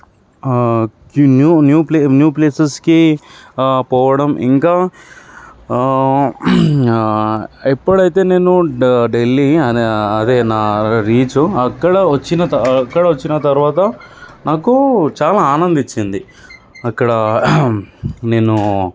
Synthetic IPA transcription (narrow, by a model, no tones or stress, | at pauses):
njuːnjuːplenjuːpleːsɐski | pɔːʋɐɽɐmʔḭŋkaː | ipːuɽɐjt̪̬e̞ːne̞ːnuɖelːiɐeɐd̪eːnaːɾiːt͡ʃuɐkːɐɽɐʋɐt͡ʃːinɐt̪ɐɐkːɐɽɐʋɐt͡ʃːinɐt̪ɐɾuʋaːt̪ɐnaːkut͡ʃaːlaːaːnɐnd̪it͡ʃːind̪i | ɐkːɐɽɐ | ne̞ːnu